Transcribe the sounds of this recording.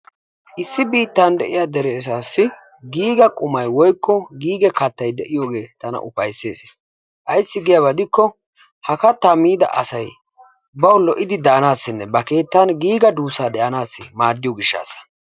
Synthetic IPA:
ʔɪsːɪbiːt̪ːand̪ɛʔɪjad̪ɛɾeːs̬aːsːɪ | ɡiːɡɐkʼʊmɐjwɔjkːɔɡiːɡɛkɐt̪ːɐjd̪ɛʔɪjoːɡe̞ːt̪ɐnɐ̰ʔʊpɐjsːe̞̰ːs | ʔɐjsːɪɡɪjɐβɐd̪ɪkːɔ | hɐkɐt̪ːɐmiːd̪ɐ̰ʔɐ̰sɐj | bɐwlɔʔɪd̪ɪd̪aːnaːsːɪnːɛbɐke̞ːt̪ːanɡiːɡɐd̪uːsaːd̪ɛʔɐnaːsːɪmaːd̪ːɪjɔɡɪʃːa̰ːsɐ̥

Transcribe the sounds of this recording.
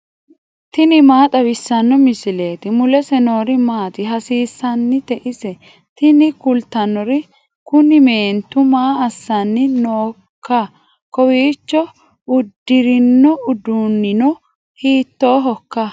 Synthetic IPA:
t̪ɪnɪmaːt̪ʼɐbɪsːɐnːɔmɪsɪle̞ːt̪ɪmʊlɛsɛno̞ːɾɪmaːt̪ɪɦɐsiːsːɐnːɪt̪ɛʔɪsɛ | t̪ɪnɪkʊlt̪ɐnːɔɾɪ | kʊnɪme̞ːnt̪ʊmaːɐsːɐnːɪnoː | kːɐ | kɔwiːt͡ʃːɔ | ʊd̪ːɪɾɪnːɔʔʊd̪unːɪnɔ | hiːt̪ːoːɦɔkːɐ

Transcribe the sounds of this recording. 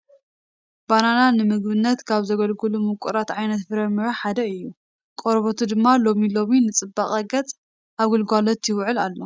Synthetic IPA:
b̥anananɨmɨɡbɨnːɐt̪kʰaβzɐɡɐlɡɨlumɨkʷʼuɾat̪ʕajnɐt̪fɨɾɐmːɨɾɐħad̪ɐɨjːu | kʼoɾβot̪ʰud̪ɨmːalo̞milo̞minɨt͡sʼɨbːaχʼɐɡɐt͡sʼ | ʔaβɡɨlɡʷalot̪ʰjɪwʕɨlalːo̞

